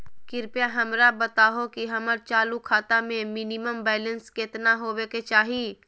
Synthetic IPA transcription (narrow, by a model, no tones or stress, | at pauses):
kɪɾpjaɦɐmɾabɐt̪aːɦokiɦɐməɾt͡ʃaːlukʰaːt̪amẽmɪniməmbɛːlə̃nskɪt̪naɦoːʋeːket͡ʃaːɦi